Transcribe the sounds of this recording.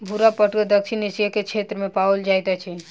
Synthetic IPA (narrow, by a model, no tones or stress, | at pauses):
bʱuɾapəʈəd̪əkʃʰinisjəket͡ʃʰet̪ɾəmẽpaold͡ʒajt̪at͡ʃʰi